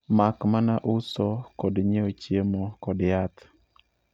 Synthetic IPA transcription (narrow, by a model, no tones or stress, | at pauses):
makmanaʔʊsɔkɔdɲeot͡ʃjemokɔdjat̪